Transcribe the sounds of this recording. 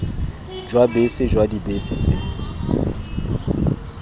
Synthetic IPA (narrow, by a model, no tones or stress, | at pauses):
d͡ʒwabesɪd͡ʒwadibesɪt͡sʼḛŋ̩